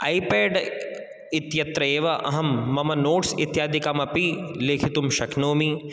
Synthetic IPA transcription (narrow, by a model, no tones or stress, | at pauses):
aːipeːɖ | ɪt̪jɐt̪ɾɐeːʋɐʔɐ̰ɦɐmːɐmɐnoːʈsɪ̰t̪jaːd̪ʱikamɐpileːkʰit̪ʊmʃɐkʰnoːmi